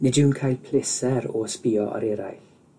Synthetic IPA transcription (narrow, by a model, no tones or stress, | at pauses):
nɪdɪwnkʰajlpʰl̥ɪsɛɾɔspiːɔʔɔ̰ɾɛɾa̰jɬ